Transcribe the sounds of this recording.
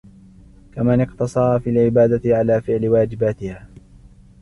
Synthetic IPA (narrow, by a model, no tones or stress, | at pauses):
kamanɪqt̪ɑsˤɑɾˤfiːlʕɪbaːd̪atʕalaːfɪʕlɪwaːd͡ʒɪbaːt̪ɪhaː